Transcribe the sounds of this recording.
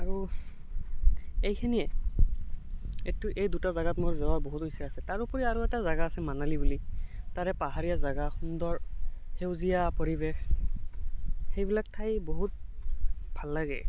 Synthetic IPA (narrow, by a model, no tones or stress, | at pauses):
aɹu | ejkʰɛnijɛ | etʊʔejdutazaɡatmoɹzɛwaboɦutojsaasɛtaɹupɔɹiaɹuɛtazaɡaːsɛmanalibulitaɹɛpaɦaɹijazaɡaxundɔɹxewzijapoɹibex | xejbilak̚tʰajboɦut̚ | bʱalːaɡɛ̰